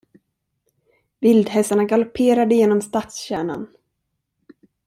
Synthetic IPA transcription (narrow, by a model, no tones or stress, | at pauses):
vɪld̪hɛsaɳaɡalɔpʰːeːɾad̪əjeːnɔmst̪at̪sɕæːɳa̰n